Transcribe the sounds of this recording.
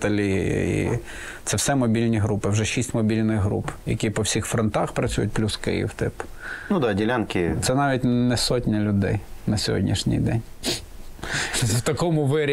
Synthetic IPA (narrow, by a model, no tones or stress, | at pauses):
t̪ɐlʲḭḭ | t̪sɛwsɛmɔbʲilʲnʲiɦɾupɪwʒɛʃisʲtʲmɔbʲilʲnɪɣɦɾṵpjɐ̰kʲipɔwsʲixfɾɔnt̪ɑxpɾɐt͡sʲṵjʊt̚ʲplʲuskɪ̰jḭwt̪ɪp | nud̪ɑdʲɪlʲankʲɪt̪sɛnɑʋʲitʲnɛsɔtʲnʲɐlʲʊd̪ɛ̰jnɐsʲɔɦɔ̰dʲnʲiʃnʲḭjd̪ɛnʲ | wt̪ɐkɔmʊʋɪɾʲ